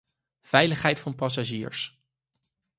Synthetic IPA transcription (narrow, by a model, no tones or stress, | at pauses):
v̥ɛjləχɦɛjtfɑnpɑs̬aʒḭːɹs